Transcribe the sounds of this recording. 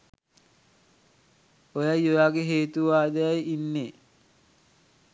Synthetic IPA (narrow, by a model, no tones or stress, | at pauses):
ojajojaːɡeɦeːt̪uʋaːd̪eajinːe